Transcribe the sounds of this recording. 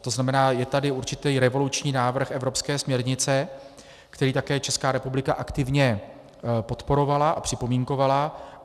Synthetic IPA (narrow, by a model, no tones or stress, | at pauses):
t̪o̞znamɛnaːjɛt̪adɪuɾt͡ʃɪt̪iːɾɛvo̞lut͡ʃɲiːnaːvr̩xɛvɾo̞pskɛːsmɲɛɾɲɪt͡sɛ | kt̪ɛɾiːt̪akɛːt͡ʃɛskaːɾɛpublɪkaʔakt̪ɪvɲɛ | po̞t̪po̞ɾo̞valaʔapr̥ɪpo̞miŋko̞vala